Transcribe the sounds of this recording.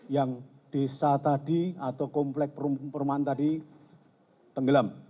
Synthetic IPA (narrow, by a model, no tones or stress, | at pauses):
jaŋ | d̥esat̪adiat̪awkɔmplɛk̚pəɾumpəɾumant̪adi | t̪əŋɡəlam